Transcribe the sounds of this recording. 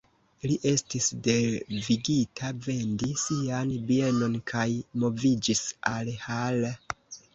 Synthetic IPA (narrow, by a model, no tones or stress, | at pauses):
liʔe̞stisde̞viɡitʰave̞ndisianbie̞no̞nkʰajmo̞vid͡ʒisalhale